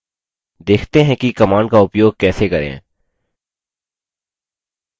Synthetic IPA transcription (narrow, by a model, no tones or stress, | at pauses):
d̪eːkʰt̪eɦɛ̃kikɐmaːɳɖkaʊpjoːɡ̚kɛːsekɐɾḛ̃